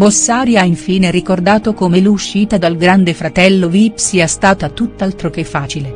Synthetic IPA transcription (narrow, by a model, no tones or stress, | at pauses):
bosːaːɾjaiɱfiːnerikord̪aːt̪okomeluʃːiːt̪ad̪alɡɾand̪efɾat̪ɛlːovipsiːast̪aːt̪at̪ːut̪ːalt̪ɾok̟efːaːt͡ʃile